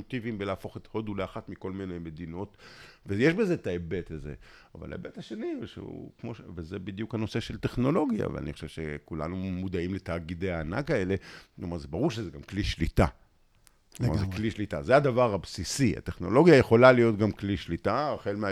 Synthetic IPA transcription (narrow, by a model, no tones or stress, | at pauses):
ot̪ivimbelaːfo̞χet̪ho̞duleaχatmiko̞lmineme̞d̪ino̞t̪vejeʃbeze̞t̪aebetezḛa̰va̰la̰ḛbethaʃe̞niʃḛṵkmoʃevezebid̪jukhano̞se̞ʃe̞lt̪e̞χno̞lo̞ɡja̰vḛa̰niχoʃe̞v̥ʃekula̰numud̪aimlet̪aːɡid̪ejaːna̰kae̞le̞omaʁzebaʁuʁʃezeɡamkliʃlit̪a̰ | omazekliʃlit̪a̰zead̪avaʁabsisia̰t̪eχno̞̰lo̞ɡjajeχo̞lalijo̞t̪ɡamkliʃlit̪aχelmea